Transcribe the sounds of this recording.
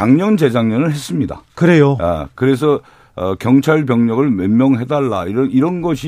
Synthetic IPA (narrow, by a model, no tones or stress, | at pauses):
t͡ɕaŋɲʌnd͡ʑe̞d͡ʑaŋɲʌnɯɭɦes͈ɯmɲida̰kɯɾejoa̰kɯɾe̞s̬ʰʌ | ʌkjʌŋt͡ɕʰaɭpjʌŋɲʌɡɯɭmemjʌŋɦe̞daɭːa̰iɾʌniɾʌnɡʌɕʰi